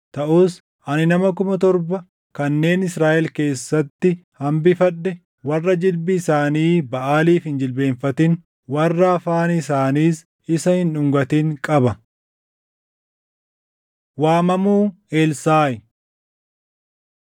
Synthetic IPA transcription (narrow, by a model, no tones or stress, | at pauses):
t̪ɐʔuːs | ʔɐnɪnɐmɐk̬ʊmɐt̪ɔɾbɐ | kɐnːe̞ːnɪsɾaːʔɛlke̞ːsːɐt̪ːɪhɐmbɪfɐɗːɛ | wɐrːɐd͡ʒɪlbɪːsaːniːbɐʔaːliːfhɪnd͡ʒɪlbe̞ːnfɐt̪ɪn | wɐrːɐfaːnːsaːniːs | ɪsɐhɪnʊŋɡɐt̪ɪŋkʼɐbɐ | waːmɐmuː | eːlsaːjɪ